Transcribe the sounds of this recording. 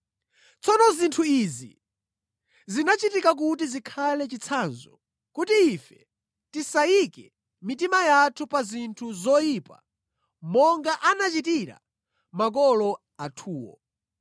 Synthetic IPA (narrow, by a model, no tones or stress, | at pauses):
t͡sɔnɔzintʰuizḭ | zinat͡ʃitikak̬ut̬izikʰalɛt͡ʃit͡sʰanzɔ | kutiːfɛ | tisaikɛ | mitimajatʰupazintʰuzɔjipa̰ | mɔŋɡaʔanat͡ʃitiɾa̰ | mak̬ɔlɔ | atʰuːwɔ̰